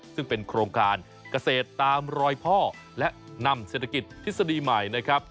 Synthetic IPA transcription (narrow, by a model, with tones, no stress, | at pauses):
sɯ˥˩ŋpe˧nkʰɾoː˧ŋkaː˧n | ka˧seː˨˩t̪ːaː˧mɾɔː˧jpʰɔː˥˩ | lɛ˦˥ʔna˧mseː˨˩t̪ʰːa˧ki˨˩t̪̚pʰːi˦˥t̪sa˧diː˧ma˨˩jna˦˥kʰɾa˦˥p̚